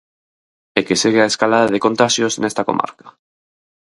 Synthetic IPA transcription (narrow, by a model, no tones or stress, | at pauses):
ekeseɣeaeskalaðaðeko̞nt̪aʃjosene̞st̪ako̞̰ma̰ɾkḁ